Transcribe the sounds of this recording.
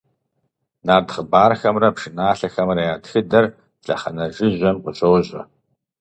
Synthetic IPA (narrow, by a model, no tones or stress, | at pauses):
naːrdχəbaːrxɐmrɐpʂɨnaːɬɐxɐmrɐjaːtxɨdɐr | ɬʼɐ̰χɐnɐʒɨʑɐmqəɕowʑʼɐ̰